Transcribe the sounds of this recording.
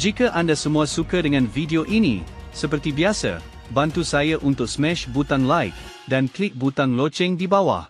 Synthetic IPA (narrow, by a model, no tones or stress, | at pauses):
d͡ʒikaʔandasəmũasukadəŋãnvidioʔinḭsəp̬ərt̪ibiasa̰ | bant̪usajaʔunt̪ʊk̚smɛ̃ʃbut̪aŋlaɪk̚ | danklik̚but̪aŋlot͡ʃɪŋdibawa̰h